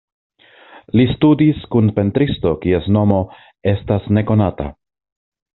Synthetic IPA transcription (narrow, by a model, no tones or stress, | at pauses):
listudiskunpe̞ntɾisto̞kie̞sno̞mo̞ | e̞stasne̞ko̞nata̰